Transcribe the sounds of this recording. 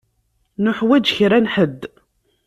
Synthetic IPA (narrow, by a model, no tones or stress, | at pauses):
nʊħwæd͡ʒçɾænħəd̪ː